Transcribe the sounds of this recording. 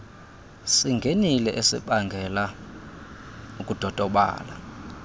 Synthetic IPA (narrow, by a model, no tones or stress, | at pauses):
siŋɡʱenilɛʔesḭɓaŋɡʱɛla | ukʼud̥ʱɔd̥ʱɔɓa̰ːla